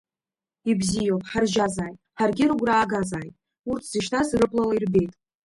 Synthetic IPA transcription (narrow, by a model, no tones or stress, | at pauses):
ibzijowpʼħarʒazaːjtʼħarɡʲɪɾuɡʷraːɡazaːjtʼ | urtʰz̥iʃtʰasrɨpʼlalairbe̞jtʼ